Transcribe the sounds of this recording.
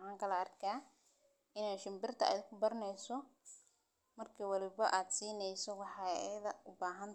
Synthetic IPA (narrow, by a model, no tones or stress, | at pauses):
ɑːŋkʰɐlɐɐrkʰaː | ɪnaːʃɪmbɪrt̪ʰɐʔɛ̰ːd̪kʰʊbɐɾɐnɛjsɔ | mɐrkʰiːwɐlɪβɐʔaːd̪siːnɛjsɔwɑħɑ̰jɐðɐʊbaːɦɐnt̪